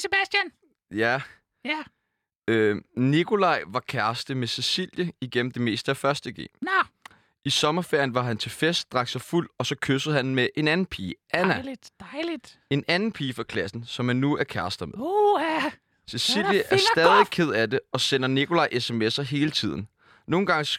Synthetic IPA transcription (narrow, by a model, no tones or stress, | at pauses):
seb̥æsd̥jæn | jæ | ønikʰo̝lɑ̈ɪ̰ʋɑ̈kʰæɐsd̥əmese̝sil̰jəiɡ̥en̰m̩d̥e̝me̝̰ːsd̥əæfɶɐsd̥əɡ̥e̝̰ː | ʔisɒ̽mɐfeɐ̰jənʋɑ̈ɦænt͡sʰe̝lfesd̥̚d̥ʁɑ̈ɡ̥sɑ̈ɪful̰ɒ̽sɒ̽kʰøsəð̩ˠhɦænmeʔe̝nænn̩pʰiːʔænæ̥lid̥ | e̝nænn̩pʰiːfʁɒ̈kʰlæsn̩sɒ̽mhænːuæɐkʰæɐsd̥ɐmeð | se̝sill̰jəʔæɐsd̥ɛːðˠikʰe̝ð̰ˠæd̥e̝ɒ̽senɐnikʰo̝lɑ̈ɪʔesemesɐɦe̝ːlət͡sʰið̞̰ˠn̩ | no̝ːn̩ɡ̥ɑ̈ŋəs